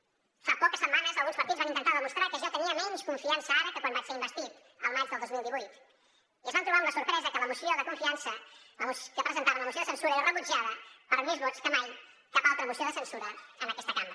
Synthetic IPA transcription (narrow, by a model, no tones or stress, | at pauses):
fapowkɐsemãnɐzalˠɣũspɐɾt̪iðuzvãĩnt̪ent̪aɾðɐmuʃt̪ɾaɾkɨʒat̪eɲiɐmenuʃkõɱfiɐ̃nsɐaɾɐkɨkɐ̃nd̪βajseɾimbɐst̪ið | a̰wmajzðɨlˠd̪ojzmilˠd̪iojt̪u̥ | izãñt̪ɾuβaɾũmɐsuɾpɾɛzɐkɛlɐmusjioðɐkõfiãnsɐlɐmuskɐpɾezẽnt̪aβɐ̃ñɐmusoðɐsẽnsuɾɐɛɾɐreβuʒiaðɐpɐɾɐmizβot̪u̥kɐmaj | kaalˠt̪ɾɐmusioðɐsẽnsuɾɐnɐkɛst̪ɐkãmɾɐ